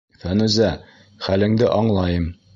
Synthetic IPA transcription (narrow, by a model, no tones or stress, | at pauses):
fænʉzæ | χælɘ̆ŋd̪ɘʔɒɴlˠɑjɤm